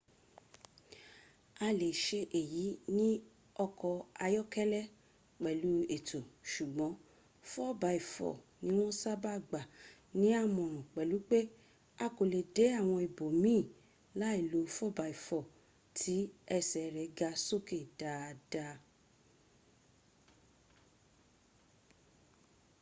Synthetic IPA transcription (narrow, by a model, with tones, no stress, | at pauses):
a˧le˨ʃe˧ʔe˨ji˨˦nĩ˦ | ɔ˧kɔ˧a˧jɔ˦kɛ˦lɛ˦ | k͡pɛ˨lu˨˦e˨tʰo˨ʃu˨ɡ͡bɔ̃˨˦ | fɔ˦˨ba˨˧˦i˨fɔ̰˨nĩ˨˦w̃ɔ̃˦sa˦ba˦˨ɡ͡ba˨ | nĩ˦a˦˨mɔ̃˨ɾ̃ũ˨k͡pɛ˨lu˨˦k͡pe˦ | a˧ko˨le˨de˨˦a˦˨w̃ɔ̃˧i˨bo˨mĩː˦˨ | la˨˦i˦˨lo˨˦fɔ˦˨ba˨˧i˨fɔ˨ | tʰi˨˦ɛ˧˨sɛ˨ɾɛ˨˦ɡa˧˦so˦˨ke˦˨d̥a˨˦˧da˧